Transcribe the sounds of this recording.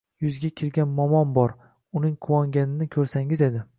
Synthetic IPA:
jʊzɡʲakʲʰɪɾɡʲanmɒmɒmbɒɾ | ʊnɪŋqʰʊwɒŋɡʲanɪnɪkʲʰɵɾsaŋɪze̞d̪ɪ

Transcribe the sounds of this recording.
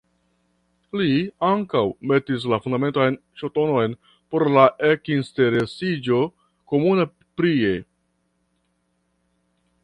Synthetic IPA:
liaŋkawme̞tis̬lafundame̞ntajnʃoto̞no̞jn | po̞ɾlaʔekinste̞ɾe̞sid͡ʒo̞ | ko̞muna | pɾie̞

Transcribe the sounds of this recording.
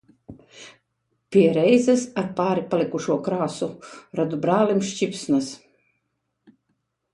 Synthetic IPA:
pʲiɛɾɛjzɛsaɾpaːɾipalˠikuʃuɔkɾaːsuɾad̪ubɾaːlimʃt͡ʃipsnas

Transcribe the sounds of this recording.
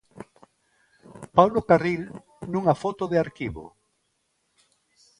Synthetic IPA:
pawlokaril | nuŋafot̪oðeaɾkiβo̰

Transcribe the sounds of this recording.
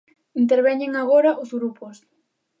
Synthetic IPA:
int̪eɾβ̞ɛɲeŋaɣ̞oɾaʔʊzɣɾupʊs

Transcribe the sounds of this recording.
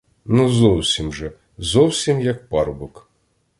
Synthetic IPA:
nuzɔwsʲimʒɛ | zɔwsʲimjɐk̚pɑrbɔk

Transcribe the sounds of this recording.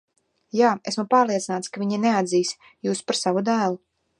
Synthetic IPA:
jaːesmupaːɾlˠiɛt̪sinaːt̪skavʲiɲinɛad̪ziːs | juːspaɾsavud̪æːlˠu

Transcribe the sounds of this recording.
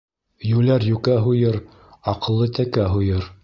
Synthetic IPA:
jʉlæɾjʉkæɦujɤɾ | ɑqɤ̆lˠːɤt̪ækæɦujɤɾ

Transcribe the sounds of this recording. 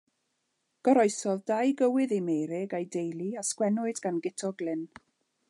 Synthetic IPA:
ɡ̥ɔɾɔɨsɔðdajɡəwɪðemejɾɪɡajdejlˠiaskwɛnʊɨdɡanɡɪtʰɔɡlɪn

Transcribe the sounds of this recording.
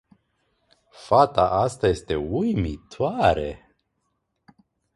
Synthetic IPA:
fat̪aʔast̪aje̞st̪e̞ujmit̪ʰoaɾḛ

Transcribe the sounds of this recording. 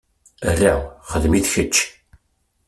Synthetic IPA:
ərːaχəðmiθçət͡ʃː

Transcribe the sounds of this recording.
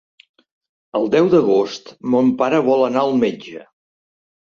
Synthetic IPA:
əlˠd̪ɛwd̪əɣ̞ost̪mompaɾəβɔlˠənaəlˠmed͡ʒə

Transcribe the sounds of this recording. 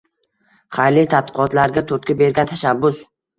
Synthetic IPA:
χajlɪt̪ʰat̪̚ːqʰɒt̪laɾɡʲat̪ʰoɾt̪kʲabe̞ɾɡʲant̪ʰaʃabːʊs

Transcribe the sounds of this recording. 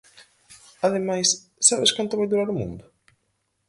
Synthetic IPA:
aðemajs | saβeskant̪ʊβajðuɾaɾʊmṵ̃nd̪ʊ

